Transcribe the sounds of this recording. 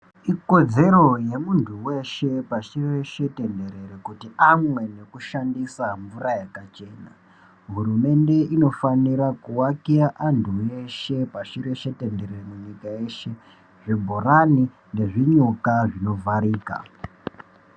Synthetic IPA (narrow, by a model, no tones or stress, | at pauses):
iko̞d͡ze̞ɾo̞je̞muntʰuwe̞ʃe̞paʃireʃe̞te̞nde̞ɾe̞ɾekutiamwe̞ne̞kuʃandisaɱvuɾajakat͡ʃe̞na̰ | ɦuɾume̞nde̞ʔino̞faniɾakuwakiaʔantʰue̞ʃe̞paʂiɾeʃe̞tende̞ɾeremuɲikaje̞ʃe̞ | ʐebʱorani | ne̞ʐiɲukaʐino̞vʱaɾiːka̰